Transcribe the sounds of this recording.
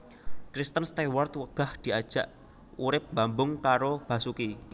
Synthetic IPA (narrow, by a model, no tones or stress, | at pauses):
kɾist̪ənst̪ɛwɔrt̪wəɡ̥a̤hd̪̥i̤ad̥ʒ̥a̤ʔ | uɾɪp̚b̥a̤mbʊŋkaɾob̥ä̤suki